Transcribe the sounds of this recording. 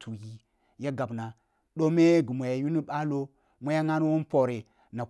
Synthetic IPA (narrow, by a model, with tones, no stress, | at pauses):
tʰu˨ji˦ | ja˦ɡa˨bna˨ | ɗo˦me˦ɡi˨mʷo˨ja˨ju˦ni˦ɓa˦lo˦ | mʷa˦ja˦ŋa˦nu˦wu˦n˦po˨ɾe˨ | na˨